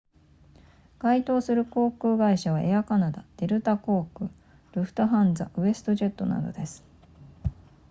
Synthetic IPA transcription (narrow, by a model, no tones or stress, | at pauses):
ɡ̥ait̪o̞ːsɨɾɯ̟ko̞ːkɯ̟ːɡaiɕaβ̞aʔeakanad̪ad̪̥e̞ɾɯ̟t̪ako̞ːkɯ̟ | ɾɯ̟ɸɯ̟̥t̪oɦãnd͡zaʔɯ̟e̞sɨ̥t̪o̞ʑe̞t̪ːo̞na̰d̪o̞̰d̪e̞sɨ̥